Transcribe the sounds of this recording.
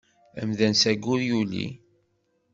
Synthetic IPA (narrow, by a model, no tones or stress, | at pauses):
ə̰mðænsæɡuɾjulḭ